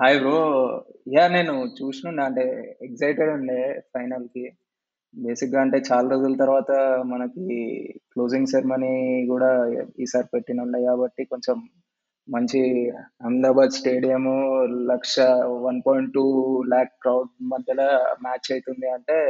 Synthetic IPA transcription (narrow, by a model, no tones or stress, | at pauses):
ɐjɡoːjaːne̞ːnut͡ʃuːsinuɳɖiɐɳʈe̞ːeɡzɐjʈeɽɐɳɖeːpʰɐjnɐlki | be̞ːsik̚ɡaːɐɳʈe̞ːt͡ʃaːlɐɾod͡ʒulɐt̪ɐɾʋaːt̪ɐmɐnɐkiklo̞ːziŋɡseɾmɐnikuːɽaːiːsaːɾipeʈːinuɳɖɐːjkaːbɐʈːiko̞ɲt͡ʃemː | ɐɲt͡ʃiɐmd̪aːbaːd̪sʈe̞ːɽijɐmulɐkʂɐʋɐnpoːjiɳʈːuːlaːk̚kɾɐwɖmɐd̪ʱjɐlaːmaːt͡ʃt͡ʃɐjt̪und̪iɐɳʈe̞ː